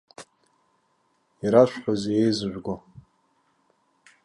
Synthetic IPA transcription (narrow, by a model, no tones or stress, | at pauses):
iɾaʃʷᶣħʷozejzɨʒᶣʷɡʷa